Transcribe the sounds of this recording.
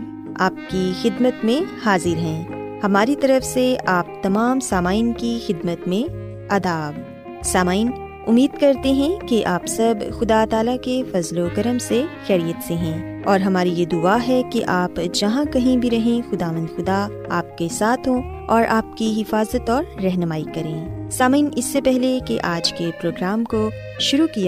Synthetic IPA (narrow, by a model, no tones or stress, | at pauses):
aːp̚kixɪd̪mət̪mẽhaːzɪɾɦɛ̃ːhɐmaːɾit̪ɐɾəfseaːp̚t̪ɐmaːmsaːmaːɪnkixɪd̪mət̪mẽ | ɐd̪aːb | saːmaːin | ʊmːiːd̪kɐɾt̪eɦɛ̃keʔaːpsɐbxʊd̪at̪aːlakefɐzlokɐɾəmsexɛːɾijət̪seɦɛ̃ː | ɔːɾɦɐmaːɾijed̪ʊaːɦɛkeʔaːpd͡ʒɐɦãkɐɦĩbʱiɾɐɦẽxʊd̪aːʋə̃nd̪xʊd̪a | aːp̚kesaːt̪ʰɦõ | ɔːɾʔaːp̚kiɦɪfaːzət̪ɔːɾːɛɦnəmaːikɐɾẽːsaːmaiːnɪsːepɛɦlekeʔaːd͡ʒkepɾoːɡɾaːmko | ʃʊɾukija